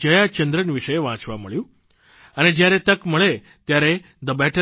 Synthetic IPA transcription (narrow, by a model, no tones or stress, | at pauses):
d͡ʑəjat͡ɕənd̪ɾənʋiʂəjʋãt͡sʋaməɭjũ | aned͡ʑjaɾet̪əkm̤əɭe | t̪jaɾe | d̪əbɛʈʰə